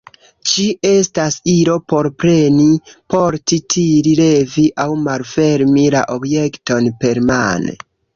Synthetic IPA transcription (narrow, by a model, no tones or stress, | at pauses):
t͡ʃie̞stasiɾo̞po̞ɾpɾe̞nipo̞ɾtitʰiɾile̞viʔawmalfe̞ɾmila̰ʔobjekto̞npe̞ɾma̰nḛ